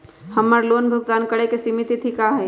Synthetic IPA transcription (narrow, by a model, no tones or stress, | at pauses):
həmːəɾloːnbʱəɡd̪aːnkəɽekesimit̪it̪ʰikaɦɛ